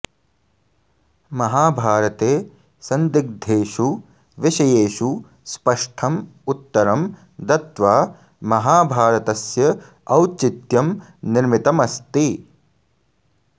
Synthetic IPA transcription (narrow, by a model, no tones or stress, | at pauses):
mɐɦaːbʱaːɾɐt̪eː | sɐnd̪ik̚d̪ʱeːʃu | ʋiʃɐjeːʃu | spɐʂʈʰɐmut̪ːɐɾɐm | d̪ɐt̪ʋaː | mɐɦaːbʱaːɾɐt̪ɐsjɐ | ɐwt͡ʃit̪jɐmniɾmit̪ɐmɐst̪i